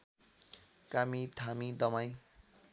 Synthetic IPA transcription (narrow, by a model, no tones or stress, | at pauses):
kamit̪ʰamid̪ʌmaj̃